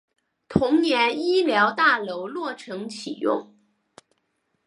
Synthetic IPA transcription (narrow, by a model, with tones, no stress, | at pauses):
t̪ʰʊ˧˥ŋnjɛ˧˥ni˥ljɑ˧˥ʊt̪a˥˩lo˧˥ʊlwɔ˥˩ʈ͡ʂʰɤ˧˥ŋt͡ɕʰi˨˩jʊ̰˥˩ŋ